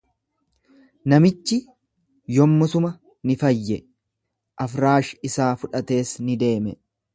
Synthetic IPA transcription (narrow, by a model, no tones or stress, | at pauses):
nɐmɪt͡ʃːɪ | jɔmːɐsʊmɐ | nɪfɐjːɛ | ʔɐfɾaːʃɪsaːfʊᶑɐt̪e̞ːsnɪd̪e̞ːmɛ